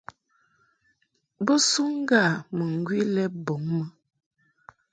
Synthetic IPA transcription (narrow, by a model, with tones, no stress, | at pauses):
bə˦su˦ŋ̩˦ɡa˦˨mə˨ŋ̩˨ɡwi˦lɛ˦bo˨˦ŋmə˦